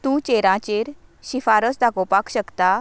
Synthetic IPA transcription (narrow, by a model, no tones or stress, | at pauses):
t̪ũːt͡ɕeɾãt͡ɕeɾɕifaɾəsd̪akopakɕəkt̪a